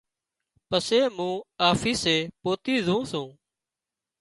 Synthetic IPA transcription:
pəseːmũːaːfiːseːpoːt̪iːzʱũːsũː

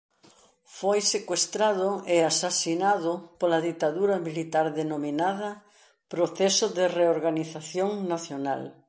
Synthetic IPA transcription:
fojsekwest̪ɾaðʊeasasinaðʊpolɐðit̪aðuɾɐmilit̪aɾðenominaðɐ | pɾoθɛsʊðɪreoɾɣaniθaθjoŋnaθjona̰l

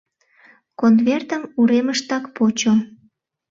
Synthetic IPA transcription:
konvert̪əmuɾeməʃt̪ɑkpot͡ɕo

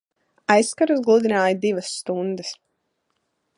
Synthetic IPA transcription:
ajsːkaɾuzɡlˠud̪inaːjd̪ivɐsːt̪und̪ɨs

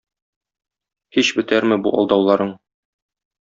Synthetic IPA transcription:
hiɕbɘ̆t̪æɾmɘbuʔɒ̰lˠd̪ɑwlˠɑɾɤɴ

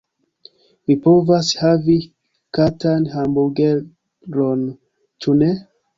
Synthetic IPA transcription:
vipovashavi | katanhambuɡe | ɾon | t͡ʃʰune

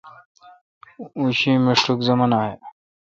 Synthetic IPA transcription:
ũɕimeʂʈukzəmanaːɦe

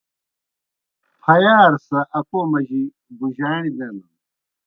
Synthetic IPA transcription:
pʰɐjaːɾsɐʔɐkoːmɐʑi | buʑaːñid̪enɐ

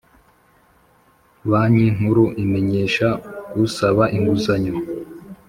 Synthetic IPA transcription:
βaɲiŋ̥huɾuʔime̞ɲe̞ːʃakusaβaʔiŋɡuzaɲo

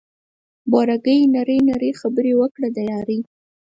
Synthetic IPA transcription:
bɑɾaɡəjnaɾəjnaɾəxabəɾewəkɽad̪ajɑɾi

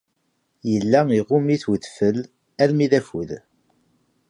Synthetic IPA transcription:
jəlːæiʁʊmniθwəðfəl | ælmiðæfuð

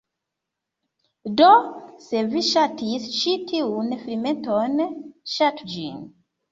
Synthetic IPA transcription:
doseviʃatʰisʃitʰiunfɾimẽntonʃatd͡ʒḭŋ

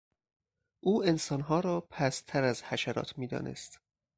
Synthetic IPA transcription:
ʔuːe̞nsɒːnɦɒːɾɒːpʰæst̪ʰæɾæzhæʃæɾɒ̰ːt̪ʰmiːd̪ɒ̰ːnʔḛst̪

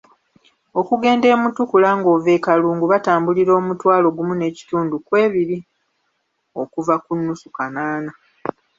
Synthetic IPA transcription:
o̞kuɡe̞ːnde̞ːmutukulaŋɡoːve̞ːkaluːŋɡuβataːmbuliɾo̞ːmutwaːlo̞ɡumune̞ːci̥tuːndukwe̞ːβiɾi | o̞kuvakunːusukanaːna

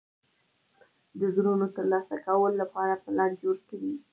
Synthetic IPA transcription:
d̪əzɾunot̪əɾlɑsakawəlolapɑɾapəlaɳɖd͡ʒoɽkɪdi

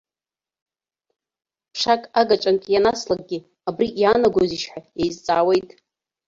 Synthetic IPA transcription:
pʰʂakʼaɡat͡ʃʼankʼjanaslak̚ʼɡʲɪ | abrijaːnaɡʷoziʃħʷᶣajejzt͡sʼa̰ːwe̞jtʼ

